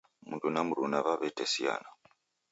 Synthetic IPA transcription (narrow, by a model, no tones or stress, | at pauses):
mudunamuɾunaβaβɛtɛsia̰na